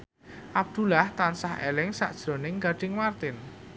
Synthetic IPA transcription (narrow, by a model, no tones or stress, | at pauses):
ʔab̚d̪̥ṳlaht̪ansahḛlɪŋsa̰ʔd̥ʒ̥ɾo̤nɪŋɡaɖ̥ɪŋmart̪ɪn